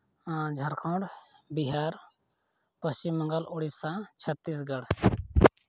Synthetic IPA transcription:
d͡ʒʱəɾkʰõɳɖbiɦaːɾ | pəst͡ʃimːə̃ŋɡəlʔoɽisãt͡ʃʰət̪ːis̬ɡəɽ

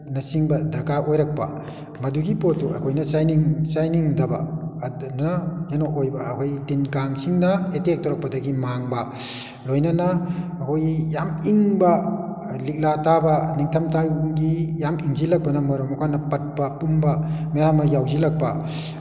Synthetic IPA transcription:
nɐsiŋbɐdɐɾkaʔojɾak̚pɐ̰ | mɐduɡipotːuɐ̰kʰojnɐsajniŋsajniŋdɐba̰ | najanoʔojbɐːkʰojdinkaŋsiŋnɐetek̚tɔɾɔk̚pɐdɐɡimaŋbɐ | lojnɐnɐːkʰojjamiŋbɐ | lik̚latabɐniŋtʰɐmtaɡijamiŋzilɐk̚pɐnɐmɔɾɔmɔkʰanɐpɐt̚pɐpumbɐmɐjamɐjawzilɐk̚pɐ

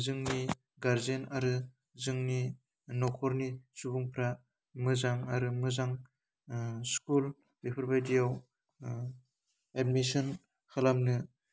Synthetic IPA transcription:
zɯŋni | ɡaɾzenaɾɯ | zɯŋni | nɔkʰɔɾnisubuŋpʰɾa | mɯzaŋaɾɯmɯzaŋ | skul | bepʰɯɾbajdijaw | ed̚misɔn | kʰalamnɯ

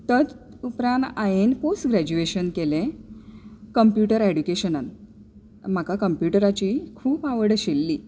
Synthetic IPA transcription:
t̪ət͡s | upɾãnajenposʈɡɾæd͡ʑueɕənkelẽ | kəmpjuʈəɾeɽukeɕənən | m̤akakəmpjuʈəɾat͡ɕiːkʰuːpaʋəɽɕelːiː

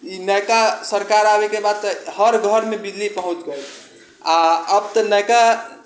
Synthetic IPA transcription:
inəjkasəɾkaɾabekebad̪̚t̪ɔhəɾɡʱəɾmebid͡ʒlipəɦũt͡ʃɡəjl | aəb̚t̪ɔnəjka

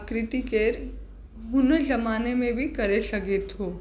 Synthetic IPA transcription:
kɾɪt̪ikeɾ | ɦʊnəd͡ʒɐmaːnemẽbʱikɐɾesɐɡet̪ɦoː

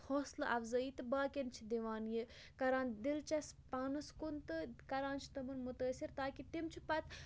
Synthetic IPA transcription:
hoːslɨʔɐfzəːit̪ɨbaːkʲent͡ʃʰid̪iʋaːnji | kɐɾaːnd̪ilt͡ʃɐspaːnɐskunt̪ɨkɐɾaːnt͡ʃʰi̥t̪ɐmɨnmut̪əːsiɾt̪aːkit̪imt͡ʃʰipɐt̪

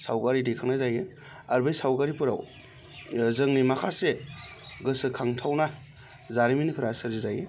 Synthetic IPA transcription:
sa̰wkaɾidikʰaŋnajzaje | aɾbɯjsawkaɾipuɾa̰w | zɯŋnimakʰaseɡɯsɯkʰaŋtʰawna | zaɾiminipʰɯɾasɯɾzizaje

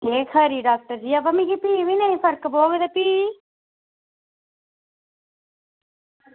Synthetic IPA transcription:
eːkʰəɾiːɖaːk̚ʈəɾd͡ʒiːabamĩkipiːʋiːnaːĩpʰəɾkboːɡed̪epiː

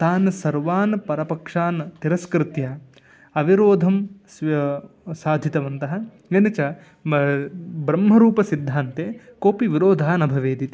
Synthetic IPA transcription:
t̪aːnsɐɾʋaːnpɐɾɐpɐkʂaːnt̪iɾɐskɾɪt̪jɐ | ɐʋiɾoːd̪ʱɐms | saːd̪ʱjit̪ɐʋɐnt̪ɐɦɐ̆ | ʋɐnɐt͡ʃɐ | bɾɐmɦɐɾuːpɐsid̪ʱːaːnt̪eːkoːpiʋiɾoːd̪ʱaɦɐnɐbʱɐʋeːd̪it̪i

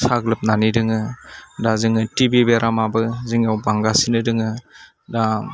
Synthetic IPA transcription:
saɡlɯp̚nanidɯŋɯdazɯŋɯtibibeɾʔamabɯzɯŋawbaŋɡasinɯdɯŋɯ | da

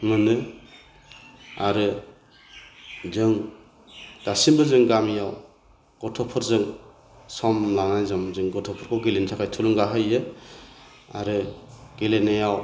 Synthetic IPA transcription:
mɯnɯ | aɾɯ | zɯŋ | d̥asinbɯzɯŋɡamijaw | ɡ̥ɔtʰɔpʰɔɾzɯŋ | sɔmlaŋajzɔmzɯŋɡɔtʰɔpʰɔɾkʰɔwɡelentʰakʰajtʰuluŋɡaɦɯjɯ | a̰ɾɯɡ̥elenajaw

